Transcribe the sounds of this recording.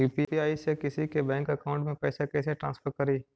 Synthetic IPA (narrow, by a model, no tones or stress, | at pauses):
juːpiiaːisekɪsikebɛ̃ːŋkɐkaːʊ̃ɳʈmẽpɛːsekɛːseʈɾã̰ːnspʰəɾkɐɾiː